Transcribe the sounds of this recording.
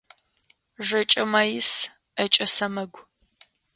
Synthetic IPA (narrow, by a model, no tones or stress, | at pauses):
ʒɐt͡ʃʼɐmaːjɪs | ɐt͡ʃʼɐsɐmɐɡʷ